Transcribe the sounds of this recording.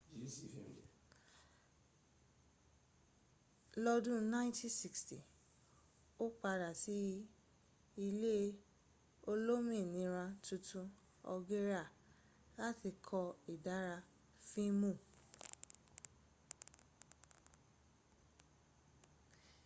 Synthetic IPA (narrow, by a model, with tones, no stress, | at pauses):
lɔ˧dũ˦nã˦ĩ˦tĩ˦si˨ksti˨ | o˦k͡pa˧ɾa˨ti˨˦ji˦ | i˧le˦ | o˦lo˦mĩ˦˨nĩ˨˧˦ɾã˧tũ˧tũ˧ | ɔ̰˧ɡe˦ɾa˦˨ | la˦ti˧kʰɔ˧i˨da˨˦ɾa˧ | fĩ˦mũ˦˨